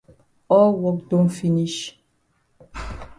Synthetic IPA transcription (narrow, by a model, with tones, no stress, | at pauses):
ɔ˦lwɔ˦kdõ˦nfi˦ni˦ʃ